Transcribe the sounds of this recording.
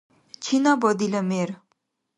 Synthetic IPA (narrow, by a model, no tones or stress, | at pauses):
t͡ʃʰinɑbɔd̪iləmeɾ